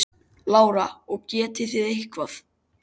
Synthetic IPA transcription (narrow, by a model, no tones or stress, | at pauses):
laːwɾaɔɣcɛːt̪ɪθɪðehkvaθ